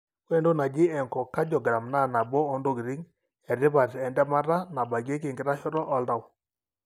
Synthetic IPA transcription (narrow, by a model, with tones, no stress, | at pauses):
we˦ndo˦na˨d͡ʒɪ˦ɛ˨ŋkɔ˨ka˦d͡ʒɔ˨ɡɾa˨mna˦˨na˨bɔ˦ɔ˨˦ndo˦˨ɡɾi˦ŋ | ɛ˨ɾɪ˦βa˨tɛ˨ndɛ˦ma˦ɾa˦na˨ba˨ɡe˦k̬ɪ˨ŋɡɪ˨ɾa˦ʃɔ˦ɾɔ˦ʔɔ˦lda˨w